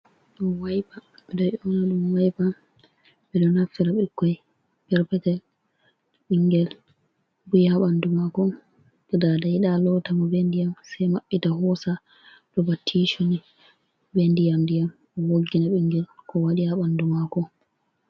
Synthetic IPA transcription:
ɗɔmwajpaɓɛɗɔʔɔnaɗumwajpa | ɓɛɗɔnafiɾaɓɛkːɔj | pɛɾpɛtɛl | ɓiŋɡɛl | bujhaɓandumakɔ | ɓɛdadajiɗalɔtamɔbɛndijamsɛjmaɓːitaɦɔsa | ɗɔbatʰːiʃoni | bendijamdijam | woɡːinaɓiŋɡɛlkʰɔwaɗihaɓandumakɔ

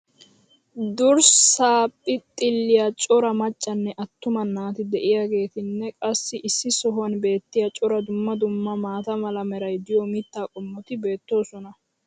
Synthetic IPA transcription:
d̪ʊɾsaːpʼːɪt̪ʼːɪlːɪjat͡ʃʼɔɾɐmɐt͡ʃʼːɐnːɛʔɐt̪ːʊmɐnːaːt̪ɪd̪ɛʔɪjaːɡe̞ːt̪ɪnːɛkʼɐsːɪʔɪsːɪsɔɦwɐnbe̞ːt̪ːɪjat͡ʃʼɔɾɐd̪ʊmːɐd̪ʊmːɐmaːt̪ɐmɐlɐmɛɾɐjd̪ɪjɔmɪt̪ːaːkʼɔmːɔt̪ɪbe̞ːt̪ːo̞ːsɔnɐ

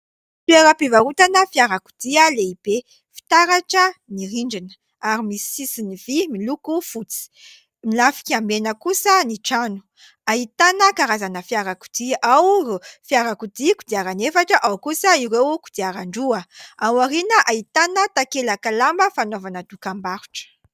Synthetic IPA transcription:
feɾəpivaɾut̪anəfiaɾaku̥d̪iəleib̥e | fi̥t̪aɾaʈ͡ʂəniɾiɳɖ͡ʐinə̥ | aɾimisisiniv̥imilukufut͡si̥ | milafi̥kʲiambenəkusəniʈ͡ʂanu̥ | aɦit̪anəkaɾazanəfiaɾaku̥d̪̥iʔawfiaɾakud̪ikud̪iaɾanefaʈ͡ʂəʔawkusəiɾewku̥d̪iaɾaɳɖ͡ʐuəawaɾinəʔait̪anət̪akelakalambəfanovanəd̪ukambaɾu̥ʈ͡ʂə̥

